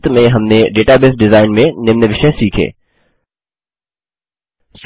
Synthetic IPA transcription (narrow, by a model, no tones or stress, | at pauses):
t̪mẽɦɐmnẽɖeːʈabɪsɖɪzaːɪnmẽnɪmneʋɪʃẽsiːkʰḛː | s